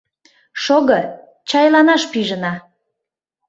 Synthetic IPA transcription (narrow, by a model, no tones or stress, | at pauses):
ʃoɣɤ | t͡ɕɑjlɑnɑʃpiʒənɑ